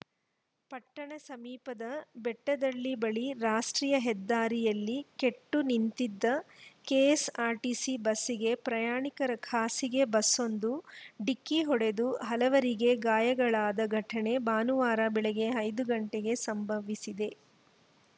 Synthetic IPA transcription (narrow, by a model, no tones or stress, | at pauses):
pɐʈːɐɳɐsɐmiːpɐd̪ɐbɛʈːɐd̪ɐlːibɐɭiɾaːʂʈɾiːjɐɦɛd̪ːaːɾijɐlːike̞ʈːunint̪id̪ːɐkeːsaːɾʈisibɐsːiɡe̞pɾɐjaːɳikɐɾɐkʰaːsiɡe̞bɐsːo̞nd̪uɖikːiɦɔɽe̞d̪uɦɐlɐʋɐɾiɡe̞ɡaːjɐɡɐɭaːd̪ɐɡʱɐʈʰɐɳe̞baːnuʋaːɾabɛɭeɡe̞ɐjd̪uɡɐɳʈeɡe̞sɐmbʱɐʋisid̪e̞